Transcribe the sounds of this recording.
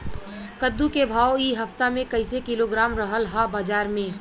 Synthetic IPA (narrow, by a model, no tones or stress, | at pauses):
kəd̪ːukebʱaːwiːɦɐft̪amẽkəɪsekiloɡɾaːmɾəɦəlɦabaːd͡ʒaːɾmẽ